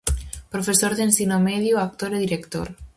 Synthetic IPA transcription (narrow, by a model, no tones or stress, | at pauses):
pɾofesoɾðensinomeðjoak̚t̪oɾeðiɾekt̪o̰ɾ